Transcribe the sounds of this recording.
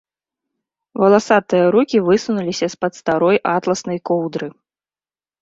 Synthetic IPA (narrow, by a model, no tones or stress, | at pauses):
vɐlˠasat̪ɨjɐɾukʲivɨsunulʲisʲɐspɐt̪st̪aɾɔjʔat̪lˠɐsnɐjkɔwd̪ɾɨ